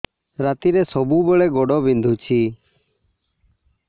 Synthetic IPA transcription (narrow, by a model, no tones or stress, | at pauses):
ɾat̪iɾɛsɔbubɛɭɛɡɔɖɔbind̪ʱut͡ʃʰi